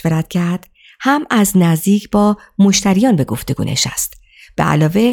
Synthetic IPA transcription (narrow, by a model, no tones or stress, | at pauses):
veɾæt̪cʰæɾd̪̥ | hæmæznæzd̪iːcʰbɒː | moʃt̪ʰæɾijɒːnbe̞ɡo̞ft̪e̞ɡṵːnʔḛʃæ̰st̪ | b̥ḛʔæ̰lɒːve̞